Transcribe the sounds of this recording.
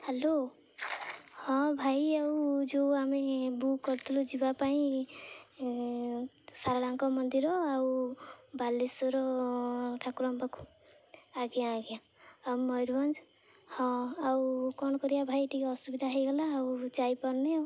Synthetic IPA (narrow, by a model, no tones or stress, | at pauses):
helo | hɔ̃bʱajawd͡ʒoamebukːɔɾt̪ʰulud͡ʒibapaĩ | saɾaɽaŋkɔmɔnd̪iɾɔawbalisɔɾɔ | ʈʰakuɾɔmbakʰu̥ | aɡjãːɡjã | awmɔjɾbɔnd͡ʒ | hɔ̃awkɔnɔkɔɾijabʱajʈikɔsubid̪ʱaɦejɡɔlaːwt͡ʃajpɔɾne